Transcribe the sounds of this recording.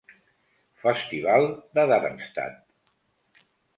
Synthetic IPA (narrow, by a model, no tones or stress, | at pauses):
fəst̪iβalˠd̪əðaɾənst̪a̰t̪̚